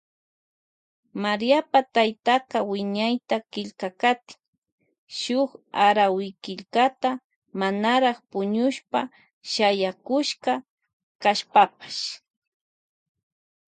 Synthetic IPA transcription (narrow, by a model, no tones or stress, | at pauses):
maɾijapat̪ajt̪aqawɪɲajt̪akɪʎkakat̪ɪ̥ŋ | ʃʊχaɾawɪkɪʎkat̪a | manaɾɑχpʊɲʊʃpa | ʃajakʊʃka | kaʃpapḁʃ